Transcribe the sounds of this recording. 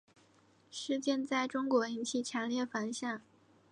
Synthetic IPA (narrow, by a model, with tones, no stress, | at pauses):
ʂɻ̩˥˧t͡ɕjɛ˥˧nt͡sa˥˩ɪʈ͡ʂʊ˥ŋkwɔ˧˥i˧˥nt͡ɕʰi˥˩t͡ɕʰjɑ˧˥nljɛ˥˩fa˧˥nɕja˥˩ŋ